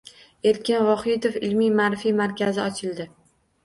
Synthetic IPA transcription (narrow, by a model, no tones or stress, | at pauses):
e̞ɾkʲɪnvɒχɪd̪ofɪlmimaɾfimaɾkʲʰazɪɒt͡ʃʰɪld̪ɪ